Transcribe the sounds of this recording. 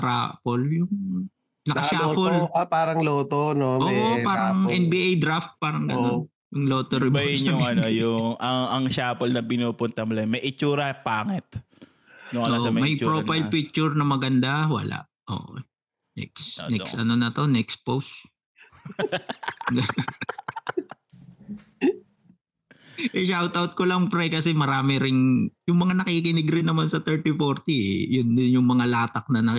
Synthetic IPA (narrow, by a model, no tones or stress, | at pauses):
ɾa̰ːpoljʊŋ | nɐɐʃaːpolpaːɾɐŋloːt̪onoʔoːopaːɾɐŋʔɛnbiʔejd̪ɾaft̪̚paːɾɐŋɡɐnːon | jʊŋloːt̪oɾɪbɪɲʊmŋɐnojʊŋɐŋɐŋʃaːpolnɐpɪnuːpʊnt̪ɐmʊlɐmɐjʔɪt͡ʃuːɾɐpaːŋɛt̪̚ | nʊŋɐnosɐmɐmɐjpɾoːpajlpik̚t͡ʃʊɾnɐmɐɡɐnd̪awɐ̰la̰ʔ | ʔo̰ːʔ | nɛ̰ksnɛsɐno̞nɐt̪o̞nɛks̚pos | ʔɛʃawt̪ɐwt̪̚kolɐŋpɾɛjkɐsɛmɐɾaːmɪɾɪnjʊŋmɐŋanɐkikɪnɪɡɾɪnːɐmansɐt̪ɛɹt̪ifoɾt̪iɛjʊnnjʊŋmɐŋalaːt̪ɐk̚nɐnɐk